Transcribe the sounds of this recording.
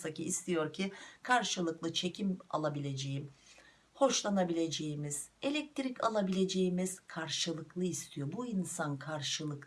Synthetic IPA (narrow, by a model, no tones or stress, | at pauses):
saciːst̪ʰijo̞ɾcʰikʰaɾʃɯlˠɯklˠɯt͡ʃʰe̞cʰima̰lˠabilʲe̞d͡ʒe̞jim | ho̞ʃlˠanabilʲe̞d͡ʒe̞jimiz̥e̞lʲɛc̚t̪ʰɾicʰa̰lˠabilʲe̞d͡ʒe̞jimiz̥kʰaɾʃɯlˠɯklˠɯist̪ʰijo̞buinsankʰaɾʃɯlˠɯk